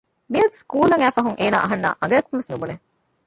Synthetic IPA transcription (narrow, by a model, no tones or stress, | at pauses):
miɐskuːlɐŋæːfɐɦuŋʔeːna̰ːʔɐɦɐnːa̰ːʔɐ̰ŋɡɐjɐkumʋesnubune